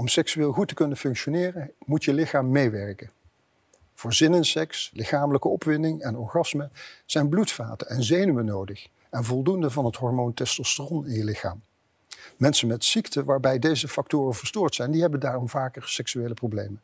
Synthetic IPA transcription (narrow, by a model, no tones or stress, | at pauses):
ɔmsɛksyɪːlˠɣutəkɵnənfɵŋkʃonɪːrəmutjəlɪxaːmːejʋɛɹkə | v̥ʊːɹzɪnənsɛkslɪχaːmələkəɔpʋɪndɪŋɛnɔɹχɑsməz̥ɛjnblutfa̰ːtənɛnzejnyʋənowdəχ | ɛnvɔlˠdundəvɑnɦətɦɔɹmontɛstostərɔnɪnjəlɪxa̰ːmː | ɛnsənmɛtsiktəʋaːɹbɛjdejzəfɑk̚tʊːrənvəɹstʊːɹtsɛjndiɦɛbəndaːrɔmvaːkəɹsɛksyeːləprowblejmən